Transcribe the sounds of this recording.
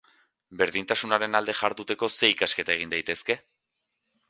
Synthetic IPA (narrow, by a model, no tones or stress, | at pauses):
be̞ɾðint̪asunaɾe̞nald̪e̞ʝaɾðut̪e̞ko̞se̞ikaske̞t̪ae̞ɣ̞ind̪ajt̪eske̞